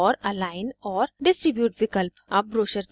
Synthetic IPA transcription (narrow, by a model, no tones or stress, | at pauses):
ɔːɾɐlaːɪnɔːɾɖɪsʈɾɪbjuːʈʋɪkəlpɐbɾoːʃəɾ